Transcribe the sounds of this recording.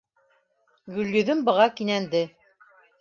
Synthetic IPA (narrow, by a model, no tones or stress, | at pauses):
ɡɵ̆lːɵ̆ðɵmbɤ̆ʁɑkinænd̪ɘ